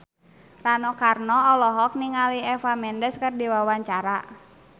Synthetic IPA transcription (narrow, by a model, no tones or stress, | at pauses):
ranɔkarnɔɔlɔɦɔk̚niŋaliɛfamɛndɛskərdiwawaɲt͡ʃaɾa